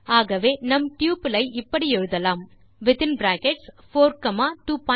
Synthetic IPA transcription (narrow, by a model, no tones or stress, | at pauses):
aːɣɐʋeːnɐmʈjuːpɪlɐɪʔɪpːɐɽiɛɻɯðɐlaːm | ʋɪt̪ɪ̃nbɾaːkɛʈs | foːɾkɐmaːʈuːpɔ̃